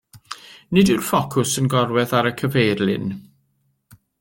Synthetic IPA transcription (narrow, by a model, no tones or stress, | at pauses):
nɨdɪrfɔkʰʊsənɡɔɾwɛðaɾəkʰəvejrlˠɪ̰n